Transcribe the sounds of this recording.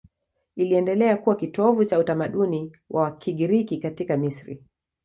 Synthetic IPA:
iliɛndɛlɛakuwakitɔvut͡ʃautamaɗuniwʔawakʰiɠiɾikikatikamisɾḭ

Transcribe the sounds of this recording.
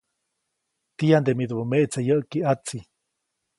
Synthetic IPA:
t̪iand̪emid̪ubəmeʔt͡sejəʔkiat͡si

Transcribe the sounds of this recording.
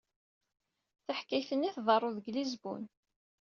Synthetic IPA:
θəħkːijθənːiθðˤərˤːoðəɡlizbṵn

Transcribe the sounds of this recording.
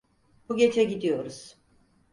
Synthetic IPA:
b̥uɟe̞t͡ʃʰɛɟid̪ijo̞ɾuz̥

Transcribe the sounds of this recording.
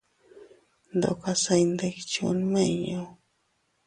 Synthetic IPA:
nd̪o̰kasajnd̪ekt͡ʃṵnmajɲo

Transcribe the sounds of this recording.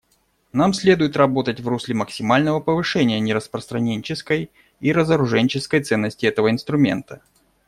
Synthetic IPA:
namsʲlʲe̞d̪ʊjɪt̪rɐbo̞t̪ətʲvrusʲlʲɪməksʲɪmalʲnəvəpəvɨʂɛnʲɪjənʲɪɾəspɾəst̪ɾɐnʲenʲt͡ɕɪskəj | iɾəzəɾʊʐɛnʲt͡ɕɪskəjt̪sɛnːəsʲtʲɪɛt̪əvəɪnst̪ɾʊmʲḛnt̪ə

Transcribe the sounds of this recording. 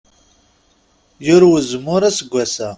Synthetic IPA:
jʊɾwzmʊɾæsəɡʷːæsæ

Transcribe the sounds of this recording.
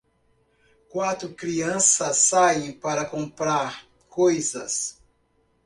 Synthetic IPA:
kwat̪ɾʊkɾiɐ̃sɐsːaẽj̃paɾɐkõpɾaɾ | kojzɐ̰s

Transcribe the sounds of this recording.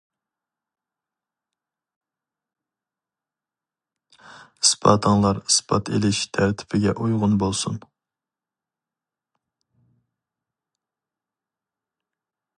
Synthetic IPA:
ɨspʰɑ̰t̪ʰɨŋlˠɑɾɨspʰɑt̪ʰelɪʃt̪ʰæɾt̪ʰɪ̥pʰɪɡʲɛʔujʁʊnbolˠsun

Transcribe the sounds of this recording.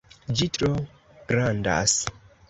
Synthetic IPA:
d͡ʒitɾo | ɡ̥ɾanda̰s

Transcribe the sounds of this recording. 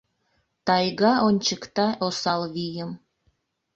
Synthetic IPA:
t̪ɑjɣɑonʲt͡ɕəkt̪ɑʔosɑlβijə̆m

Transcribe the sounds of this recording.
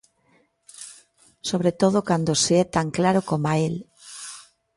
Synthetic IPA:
soβ̞ɾet̪oðokand̪oseɛt̪aŋklaɾokomael

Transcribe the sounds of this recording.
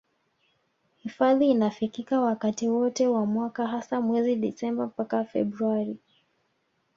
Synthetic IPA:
hifaðiːnafikikawakatiwɔtɛwamwakaɦasamwɛziɗɛsɛmbapakafɛ̰bɾuaɾi

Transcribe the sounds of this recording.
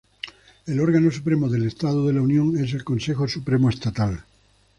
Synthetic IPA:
eloɾɣanosupɾe̞moðelest̪að̞oðe̞launjõŋe̞s̬e̞lkõ̞nse̞xo̞supɾe̞moest̪at̪al

